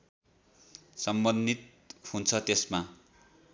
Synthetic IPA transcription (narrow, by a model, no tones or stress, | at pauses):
sʌmbʌnd̪it̪̚ | hunt͡sʰʌt̪esma